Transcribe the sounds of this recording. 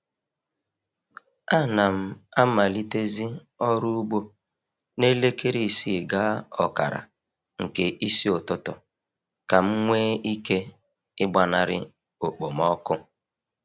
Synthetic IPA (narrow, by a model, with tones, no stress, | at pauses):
a˦˨na˨m̩˦a˦ma˨li˦te˦zi˦ | ɔ˦ɾu˦u˦ɡ͡bo˦ | ne˦le˦ke˦ɾi˦˨si˦˨ɡa˦ɔ̰˨ka̰˨ɾa̰˨ | ŋ̩˨ke˨ʔi˦si˦ʊ˨tʊ˦tʊ̰˨ | ka˨m̩˦ŋʷeː˦i˦ke˦ | ɪ˦ɡ͡ba˨na˨ɾɪ̰˦ | o˨k͡po˨m̩ɔ˦kʊ˦